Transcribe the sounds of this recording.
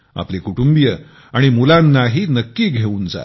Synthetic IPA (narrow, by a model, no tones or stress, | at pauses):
a̰plekuʈumbijə | aɽ̃imulãnːaɦiːnəkːiːɡʱeuːnd͡za̰